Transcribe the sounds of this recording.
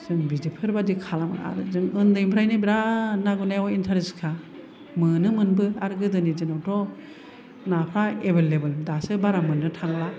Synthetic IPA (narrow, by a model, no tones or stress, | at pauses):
sɯŋbizepʰiɾbadikʰalama̰ɾzɯŋɯndɯjmpʰɾajnibiɾanaɡunajɔintʰaɾeskʰa | mɯnɯmɯnbɯaɾɡɯdɯnid͡ʒɯnɔwtʰɔ | napʰɾaebelebɯldasɯbaɾamɯnːɯtʰaŋla